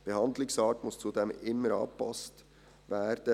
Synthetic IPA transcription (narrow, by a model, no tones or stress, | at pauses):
b̥ehɑnd̪lɪksɑːtmʊst͡sudemɪmːəɾɑ̰ːpʰɑ̰st | vɛːɾd̥ə